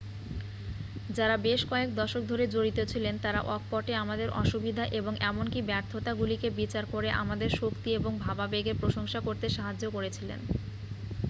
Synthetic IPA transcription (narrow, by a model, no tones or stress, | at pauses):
d͡ʑaɾabeʃkɔek̚d̪ɔʃok̚d̪ʱoɾed͡ʑoɽit̪et͡ɕʰilent̪aɾaʔɔk̚pɔʈeamad̪eɾɔ̰ʃubid̪ʱaʔeboŋʔɛmonkibɛɾt̪ʰːot̪aɡulikebit͡ɕaɾkoɾeʔa̰mad̪eɾʃokt̪ieboŋbʱababeɡeɾpɾoʃoŋʃakoɾt̪eʃaɦad͡ʑːokoɾet͡ɕʰilḛn